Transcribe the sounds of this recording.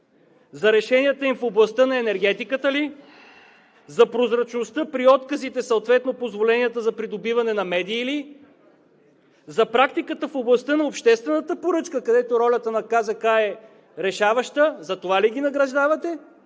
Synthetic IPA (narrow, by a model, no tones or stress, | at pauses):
zɐɾɛʃɛnʲiət̪əimfoblˠɐst̪ənɐɛnɛɾɡɛt̪ikət̪əli | zɐpɾozɾɐt͡ʃnost̪ɤpɾiɔt̪kəzit̪ɛsɐʊt̪vɛt̪nopozvolɛniət̪əzɐpɾid̪obivɐnɛnɐmɛd̪iːli | zɐpɾak̚t̪ikət̪əfoblˠɐst̪ɤnɐopʃt̪ɛst̪vɛnət̪əpoɾɤt͡ʃkəkɐd̪ɛt̪oɾɔlʲət̪ənɐkazɐkaɛ | ɾɛʃavɐʃt̪əzɐt̪ovaliɡ̟inɐɡɾɐʒd̪avɐt̪ɛ